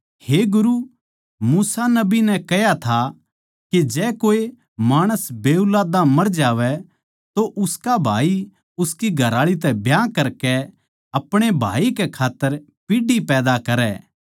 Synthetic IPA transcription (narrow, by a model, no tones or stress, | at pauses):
heːɡʊɾu | muːsanɐbinɛkɛjat̪ʰa | ked͡ʒɛːkoːe | maːɽ̃əsbeːulaːd̪ãmɐɾd͡ʒaːʋɛ | t̪oʔʊskabʱa̰ːi | ʊskiɡʱɐɾaːɭit̪ɛbʱjaːkɐɾkɛ | ɐpɽ̃ebʱa̰ːikɛkʰaːt̪ːəɾ | piɖipɛːd̪akɐɾɛː